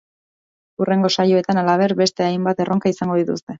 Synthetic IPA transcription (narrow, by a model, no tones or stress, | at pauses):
ure̞ŋɡo̞sajo̞e̞t̪analaβ̞e̞ɾbe̞st̪e̞ajmbat̪e̞ro̞ŋkaisaŋɡo̞ð̞it̪ust̪e̞